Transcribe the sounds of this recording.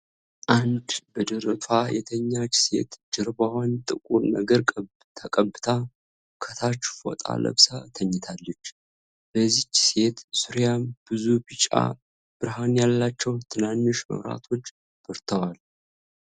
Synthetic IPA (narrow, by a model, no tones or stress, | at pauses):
ʔand̪bəd̪əɾəfajɛ̰t̪ʰəɲːat͡ʃːse̞̰t̪d͡ʒɪɾbawant̪ʼɨkʼunəɡəɾkʼə | t̪ʰəkʼəbɨt̪ʰa | kʰət̪ʰat͡ʃːfo̰t̪ʼa̰lə̰βsat̪ʰəɲːɪt̪ʰalːət͡ʃː | bəzːit͡ʃːse̞t̪suɾjamb̥ɨzubɨt͡ʃʼa̰ | b̥ɨɾɦanjalːat͡ʃːɛwt̪ʰɨnanːʊʃmə̰wɾa̰t̪ʰo̞t͡ʃː | b̥əɾt̪ʰəwal